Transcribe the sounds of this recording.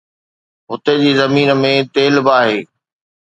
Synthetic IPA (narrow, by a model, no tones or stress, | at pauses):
ɦʊt̪ed͡ʑiːzɐmiːnə̆mẽt̪eːlbaːɦeː